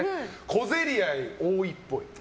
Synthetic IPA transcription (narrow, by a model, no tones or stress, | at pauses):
kʰo̞ze̞ɾʲiaioːipːo̞i